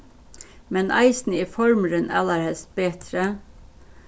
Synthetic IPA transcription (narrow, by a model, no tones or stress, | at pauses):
mɛnʔɑ̰ɪsn̩iːfɔɹməɾənæ̰ːləɾhɛlst̪̚b̥eːt̪ʰɾə